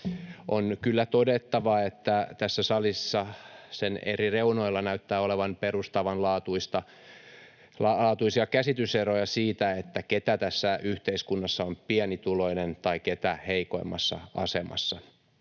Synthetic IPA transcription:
ʔonkylːæt̪odet̪ːɑʋɑet̪ːæt̪æsːæsɑlisːɑsenḛrireunoilːɑnæyt̪ːæːoleʋɑnperust̪ɑʋɑnlɑːt̪uist̪ɑ | lɑɑːt̪uisiɑkæsit̪yserojɑsiːt̪æet̪ːæket̪æt̪æsːæyht̪eiskunːɑsːɑompiɛnit̪uloinent̪ɑiket̪æheiko̰imːɑsːɑ̰ɑ̰semɑ̰sːɑ

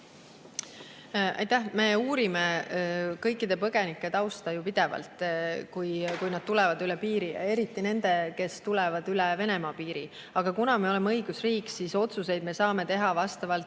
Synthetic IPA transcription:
ɑ̰jt̪æhme̞ːuːɾime̞kɤjkːˑid̪̥e̞pɤɡ̥e̞nikˑːe̞t̪ɑwst̪ɑjupid̪̥e̞vɑ̰lt̪ˑkujkujnɑd̪̥̚t̪ulɛvɑd̪ylɛpiːɾḭe̞ɾit̪ːˑine̞nd̪̥e̞ke̞st̪ulɛvɑd̪ylɛve̞ne̞mɑːpiːɾḭ | ɑɡ̥ɑkunɑme̞o̞lemeɤjɡ̥usriːksiso̞t̪suse̞jd̪̥̚me̞sɑːme̞t̪e̞ɦɑvɑst̪ɑvɑlt̪

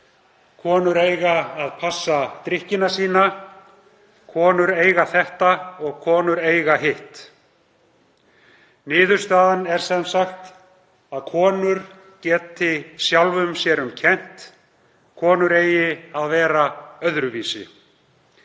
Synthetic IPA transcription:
kʰɔːnʏɾejɣaːðpʰasːat̪ɾɪhcɪnasiːna | kʰɔːnʏɾeːjɣaθɛht̪aɔɣkʰɔːnʏɾeːjɣaɦɪht̪ | nɪːðʏɾ̥st̪aːðanɛɾ̥sɛmsaxt̪ | aðkʰɔːnʏɾ | cɛːt̪ʰːɪsjawlvʏmsjɛɾʏmcʰɛn̥t̪ | kʰɔːnʏɾeːjɪaðvɛːɾaœðɾʏviːsɪ̰

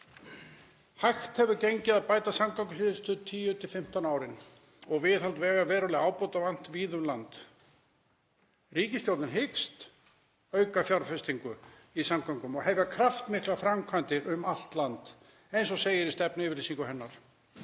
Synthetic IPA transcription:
hajxt̪hɛvʏceɲcɪðaðpaːjt̪asamkawŋkʏsiːðɪst̪ʏt̪ʰiːjʏt̪ʰɪlfɪm̥t̪anaːwɾɪn | ɔɣvɪðhalt̪vɛːɣavɛːɾɔlɛaːwpowt̪avan̥t̪viːðʏmlant̪ | riːcɪst̪jowt̪nɪnɦɪkst̪ | œːɥkafjaɾfɛst̪iŋkʏ | isamkʰawŋkʏmɔɣɦɛvɪakʰɾaft̪mɪklafɾamkʰant̪ɪɾʏmal̥t̪lant̪ | ejns̬ɔseːjɪɾist̪ɛpnʏɪːvɪɾlisiŋkʏɦɛnːaɾ̥

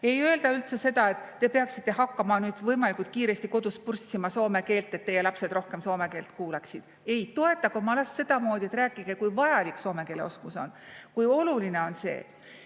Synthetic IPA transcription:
e̞jø̞eld̪̥ɑylt̪se̞se̞d̪̥ɑe̞t̪ːe̞peɑksit̪ːe̞hɑkːɑmɑnyːd̪̥vɤjmɑlikult̪̚kiːɾe̞st̪iko̞d̪̥uspursʲːimɑso̞ːme̞ke̞ːlt̪ːˑe̞t̪̚ːe̞jelɑpse̞d̪ro̞hke̞mso̞ːme̞ke̞ːlt̪kuːleksid̪̥ | e̞jt̪o̞e̞t̪ːˑɑkomɑlɑsːe̞d̪̥ɑmo̞ːd̪̥ʲie̞t̪ræːkːˑiɡ̥e̞kujvɑjɑlikso̞ːmeke̞ːleo̞skuso̞̰nkujo̞luline̞o̞nse̞̰ː

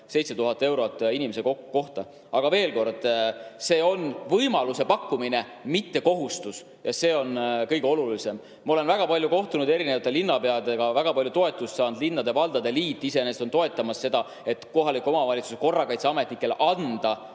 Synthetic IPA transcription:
se̞jt̪set̪uɦɑt̪ːˑe̞wɾot̪ːˑinime̞s̬ekokko̞ht̪ɑ | ɑɡ̥ɑve̞ːlko̞rd̪̥se̞ːo̞nvɤjmɑluse̞pɑkːumine̞ | mit̪ːe̞ko̞ɦust̪us | jɑse̞ːo̞nkɤjɡ̥eo̞lulise̞m | mɑo̞le̞nvæɡ̥ɑpɑlʲjuko̞ht̪unud̪e̞ɾinevɑt̪ːˑelinːɑpe̞ɑd̪eɡ̥ɑvæɡ̥ɑpɑlʲjut̪o̞e̞t̪ˑːust̪sɑːnd̪linːɑd̪e̞vɑld̪̥ɑd̪e̞liːt̪ːˑise̞nest̪o̞nt̪o̞e̞t̪ːˑɑmɑsːe̞d̪ɑ | e̞t̪ko̞ɦɑlikuo̞mɑvɑlʲit̪suseko̞rːɑkɑjt̪seɑme̞t̪nikːˑe̞lʔɑnd̪̥ɑ

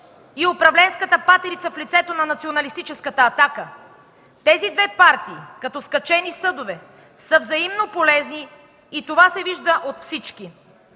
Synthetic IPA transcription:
iopɾɐvlɛnskət̪əpat̪ɛɾit̪səflit̪sɛt̪onɐnɐt̪sionɐlist̪it͡ʃɛskət̪əːt̪akə | t̪ɛzid̪vɛpaɾt̪iːkɐt̪ɔskɐt͡ʃɛnisɤd̪ovɛ | səvzɐimnopolɛzniː | t̪ovasɛviʒd̪əʔot̪fsit͡ʃki

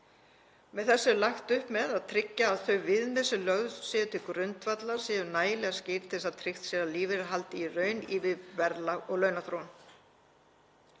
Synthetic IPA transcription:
mɛðθɛsːʏlaxt̪ʏhpmɛðaðt̪ʰɾɪcːaːðθœɥvɪðmɪsʏlœɣðsɛːðʏt̪ʰɪlkɾʏnt̪vat̪lḁsiːðʏɾnaːjɪlɛɣascɪɾt̪ʰɪsaðt̪ʰɾɪxt̪sjɛɾaliːvɪɾɪɦalt̪ɪirœːɥniːvɪðvɛɾlaɔɣlœːɥnaθɾown

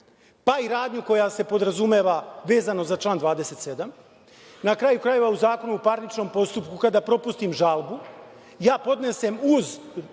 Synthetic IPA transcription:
paiɾaːd̪ɲuko̞jase̞po̞d̪ɾazume̞ʋaʋe̞ːzano̞zat͡ʃlaːnd̪ʋaːd̪e̞se̞t̪se̞d̪am | nakɾajukɾaje̞ʋauzaːko̞nuupaɾnit͡ʃno̞ːmpo̞st̪upkukad̪apɾo̞pust̪imʒalbu | jaːpo̞d̪ne̞semuz

